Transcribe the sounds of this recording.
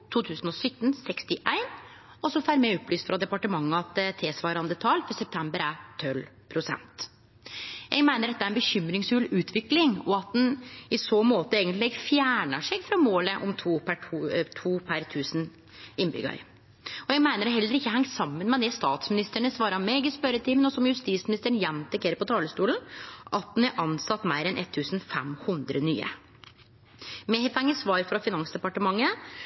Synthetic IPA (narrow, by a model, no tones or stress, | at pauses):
t̪ʰuːt̪ʰʉːsən̩ɔsʏt̪ːnsɛkst̪ɪʔæɪn | ɔsɔfæːɾmɛɔpːlyːst̪fɾɑd̪ɛpɑʈəmɑŋːəɑt̪t̪ʰeːsʋɑːɾɑnd̪ət̪ʰɑlfɔɾsɛp̚t̪ʰɛmbəɾæt̪ʰœlpʰɾʊsɛ̰nt̪ | ʔɛ̰ɡmæɪnəɖɛt̪ːæɾɛnbəçʏmɾɪŋsfʉlʉːt̪ʰʋɪklɪŋɔɑt̪̚d̪ɛnɪsoːmoːt̪əeːɡənt̪lɪɡfjæːɳəʂɛɡfɾɑmoːləʔɔmt̪ʰuːpʰæut̪ʰuːpʰæɾt̪ʰʉːsn | ɪnːbʏ̰ɡɑ̰ɾ | ɔjɛɡmæɪnəɾɛɦɛlːəɾɪçːəɦæŋːsɑmːənmɛd̪ɛst̪ɑːt̪smɪnɪst̪əɳəsʋɑːɾɑmɛɡəspœɾət̪ʰɪmənɔsɔmjʉst̪iːsmɪnɪst̪əɾəɳjɛmt̪ɛkʰeːɾəpɔt̪ʰɑːləst̪uːln̩ʔɑt̪̚d̪næɾʔɑnsɑt̪ːmæɪɾɛnʔɛt̪ʰːʉːsnfɛ̰mhʉnd̪ɾə̰ny̰ːə̰ | mɛfæŋːəsʋɑːɾfɾɑfɪnɑnsd̪ɛpɑʈəmɑŋːə